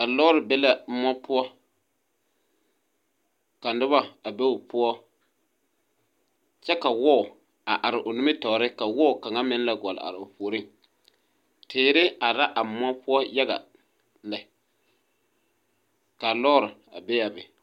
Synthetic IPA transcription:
a˨lɔ˦ɾɪ˨bɛ˦la˨˦mɔ˦pʊ˦ɔ˦ | ka˨n˦dɪ˦ba˦a˨bɛ˦ʊ˨pʊ˦ɔ˦ | t͡ʃɛ˦ka˨wɔ˦ʊ˨ | a˨ʔa˨ɾɪ˨ʔʊ˨nʊ˦mɪ˦tɔ˨˦ɾɪ˦ka˨wɔ˦ʊ˨ka˨ŋa˦mɪ˦nla˨ɡɔ˨lɪ̰˨a̰˨ɾɪ˨ʊ˨poː˨ɾi˦ŋ | tʰɪː˨ɾɪ˦a˨ɾa˦ʔa˨mɔ˦pʊ˦ɔ˦ja˦ɡa̰˨ | la˨ | ka˨lɔː˦ɾɪ˨ | a̰˨bɛ˦ja˨bɪ˨

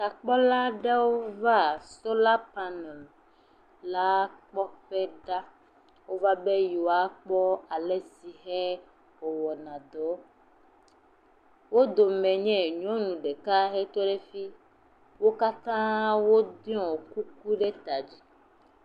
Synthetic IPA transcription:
ta˨k͡pɔ˦la˦ɖe˦wo˦va˦so˦la˦pa˦nɛ˨l | la˦k͡pɔ˦ɸɛ˦ɖa˦ | wo˦va˦be˦ji˨wa˦k͡pɔ˦a˨le˨si˨ɦɛ˦ | o˨wɔ˨nã˨d̪ɔ˨˦ | wo˦d̪o˨mɛ̃˨ɲɛ̃˦˨ɲɔ̃˦nũ˨ɖe˨ka˦ɦɛ˦t̪ɔ˦ɖe˦fi˦ | wo˦ka˦t̪ã˦wo˦d̪i˦ɔ̃˨ku˦k̚u˦ɖe˦t̪a˨d͡ʑi˦

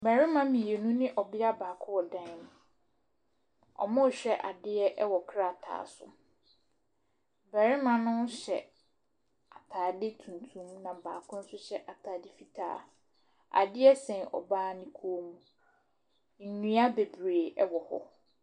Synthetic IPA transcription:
bɛ˨ɾɪ˦mã˦mĩ˨je˨nũ˦nɪ̃˦ʔɔ˨bɪ˦a˦baː˨kʰʊ̃˦wɔ˨dã˦ñ˨ | ɔ̰˨mɔ̃˦˨ɕᶣɛ˦ʔa˨dɪ˦ɛ˦ʔɛ˦wɔ˨kʰɾa˦˨tʰa̰ː˨sʊ̰˨ | bɛ˨ɾɪ˦mã˨nʊ̃˦ɕɛ̰˨ | a˨tʰaː˨dɪ˦tʰũ˨n˨tʰũ˦mnã˨baː˨kʰʊ̃˦n̩˦sʊ˦ɕɛ˦ʔa˨tʰaː˨dɪ˦fi˨tʰa̰ː˦ | a̰˨dɪ˦ɛ˦sɛ̃˨ɔ̰˨baː˦nɪ̃˦kʰu˦mũ˨ | n̩˨nũ˦a˦be˨bɾe˨ɛ˦wɔ˨hɔ̰˨

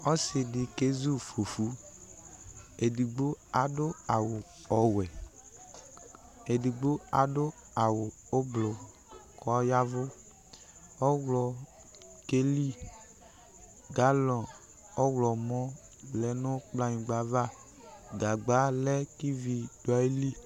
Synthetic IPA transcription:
ɔ˦sɪ˨dɪ˨ke˦zu˦fo˨fu˨˦ | e˨di˨ɡ͡bo˦a˨dʊ˦a˨wʊ˨ | ɔ˨wɛ˨ | e˨di˨ɡ͡bo˦a˨dʊ˦ | a˨wʊ˨ | o˦blo˨ | kɔ˦ja˦vʊ˦ | ɔ˦wlɔ˨ | ke˦li˦ | ɡa˦lɔ̃˨ | ɔ˦wlɔ˨mɔ˦ | lɛ˨˦nʊ˦k͡pla˨ɲĩ˨ɡ͡ba˦va˦ | ɡa˨ɡ͡ba˨˦lɛ˦ki˦vi˧do˨a˨˦i˦li˦

